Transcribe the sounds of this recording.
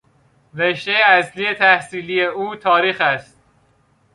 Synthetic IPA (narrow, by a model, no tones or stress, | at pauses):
veʃt̪ejeæslije̞t̪ʰæhsiːlijeuːt̪ʰɒːɾiːxæst̪̚